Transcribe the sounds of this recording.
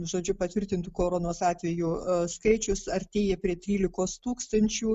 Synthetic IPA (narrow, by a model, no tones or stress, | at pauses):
ʒoːd͡ʒʲʊpɐt̪ʲʋʲɪɾʲt̪ʲɪnt̪ʊkoːɾoːnoːsɑːt̪ʲʋʲɛjuːskɐɪt͡ʃʲʊsɐrʲt̪ʲeːjɛpʲɾʲiɛt̪ʲɾʲiːlʲɪkoːst̪uːkst̪ɐnʲt͡ʃʲuː